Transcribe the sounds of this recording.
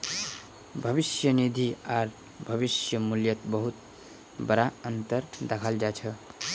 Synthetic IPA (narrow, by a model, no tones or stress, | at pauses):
bʱʌβisjənid̪ʱiaɾ | bʱʌβisjəmuljʌt̪bəɦut̪ | bəɾaənt̪əɾd̪ekʰald͡ʒat͡ʃʰʌ